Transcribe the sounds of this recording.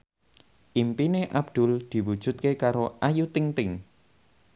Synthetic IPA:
ʔimpineʔabd̪̥ʊ̤ld̪̥i̤wud̥ʒ̥ṳt̪̚kekaɾoʔajut̪ɪŋt̪ɪŋ

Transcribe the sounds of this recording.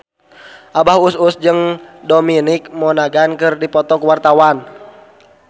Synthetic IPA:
ʔabahususd͡ʒɨŋdominik̚mɔnaɡankɨrdipɔt̪ɔkuwart̪awan

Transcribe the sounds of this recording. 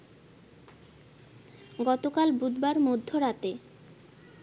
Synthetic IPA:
ɡɔt̪okalbud̪baɾmod̪ʱːoɾat̪e

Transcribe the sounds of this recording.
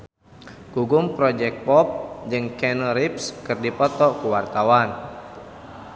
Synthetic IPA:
ɡ̥uɡumpɾɔd͡ʒɛk̚t̪̚pɔp̚d͡ʒɨŋkɛnɔɾip̚skɨrdipɔt̪ɔkuwart̪awan

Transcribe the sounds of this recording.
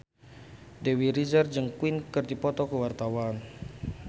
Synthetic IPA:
dewiɾizərd͡ʒəŋkwinkərd̪ipɔt̪ɔkəwart̪awan

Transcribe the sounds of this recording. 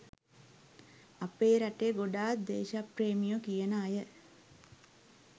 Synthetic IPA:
apeːɾaʈeɡoɖaːt̪̚d̪eːʃapreːmijokijənəːjə

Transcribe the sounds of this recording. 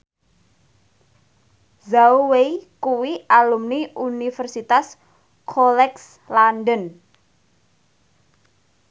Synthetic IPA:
zauwejkuwiʔalumniʔunifɛrsit̪as | kʰɔlɛks | lanɖən

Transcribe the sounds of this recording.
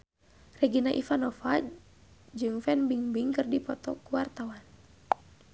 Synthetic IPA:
rɛɡinaʔifanɔfa | d͡ʒɨŋfɛnbiŋbiŋkɨrdipɔt̪ɔ̰kuwart̪awan

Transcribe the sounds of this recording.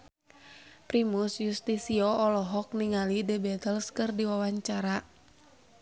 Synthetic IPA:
pɾimusjust̪isiɔɔlɔɦɔk̚niŋalidəbɛt̪əlskɨrdiwawaɲt͡ʃaɾa

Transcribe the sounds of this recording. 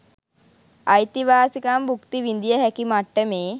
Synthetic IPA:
ajt̪iʋaːsikambukt̪iʋind̪ijəɦækimaʈːəmeː

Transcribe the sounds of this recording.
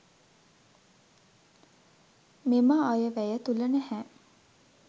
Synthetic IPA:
meməajəʋæjət̪ulənæhæ

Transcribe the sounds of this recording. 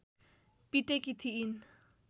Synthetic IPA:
piʈekit̪ʰiin

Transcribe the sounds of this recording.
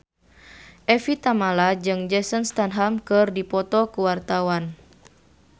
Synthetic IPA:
ʔɛfit̪amalad͡ʒɨŋd͡ʒɛsənst̪anɦamkɨrdipɔt̪ɔkuwart̪awan

